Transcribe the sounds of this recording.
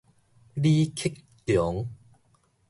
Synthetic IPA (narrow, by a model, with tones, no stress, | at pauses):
liː˦kʰɪ˦˥k̚t̪jɔ˨˦ŋ